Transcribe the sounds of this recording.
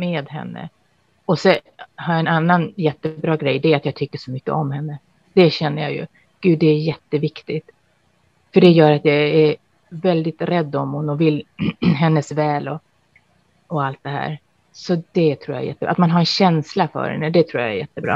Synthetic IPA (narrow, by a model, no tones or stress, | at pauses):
med̪ɦɛ̰nːə̰ | ɔsɛ | haɾjaɛnanːanjɛt̪ːəbɾɑːɡɾɛjːd̪ɛat̪jɑːɡt̪ʰʏkːəʂɔmʏkːə̰ɔmhɛnːə | d̪̥ɛɕɛnːəjɑ̰jɵ̰ | ɡ̥ʉ̟ːd̪ɛːɾjɛt̪ːəvɪkt̪ɪt̪ | fœɖɛjœːɾat̪jɑæɾ | vɛld̪ɪt̪ɾɛd̪ːɔmhʊnːɔvɪlːɦɛnːəsvɛːlɔ | ɔalt̪̚d̪ɛɦæ̰ːɾ | sɔd̪ɛt̪ʰɾuːja̰ɾjɛ̰t̪ːəbɑ̰at̪manɦaɾɛnɕɛnslafœ̰ɾhɛ̰nːəd̪ɛt̪ʰɾuːja̰ɛ̰jɛt̪ːəbɾɑ̰ː